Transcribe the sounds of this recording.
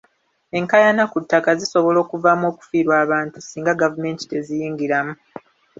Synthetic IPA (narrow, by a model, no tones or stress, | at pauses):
e̞ŋkajanakutːakaziso̞βo̞lo̞ːkuvamo̞ːku̥fiːɾwaːβaːntusiːŋɡaɡavume̞ːnti̥te̞zijiːŋɡiɾamu